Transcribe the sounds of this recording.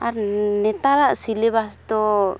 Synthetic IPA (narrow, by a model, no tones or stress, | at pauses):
aɾnɛt̪aɾaʔsilɛbast̪ɔ